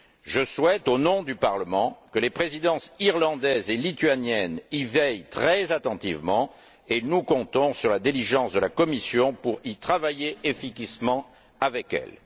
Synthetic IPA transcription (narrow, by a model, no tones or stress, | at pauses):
ʒəswɛt̪onɔ̃d̪ypaʁləmɑ̃kəlepχezid̪ɑ̃siʁlɑ̃d̪ɛzelit̪ɥanjɛnivɛjt̪χɛzat̪ɑ̃t̪ivmɑ̃ | enukɔ̃t̪ɔ̃syʁlad̪iliʒɑ̃sd̪əlakɔmisjɔ̃puʁit̪χavajeefikismɑ̃ | avɛkɛ̰l